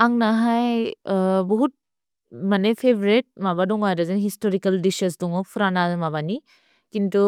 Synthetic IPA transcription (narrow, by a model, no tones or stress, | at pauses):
aŋnaɦaj | bɔɦut̚ | manepʰebʱɾet̚mabadɔŋajdazenɦistoɾikɐldisɐsdɔŋɔpʰuɾanazmaβani | kintu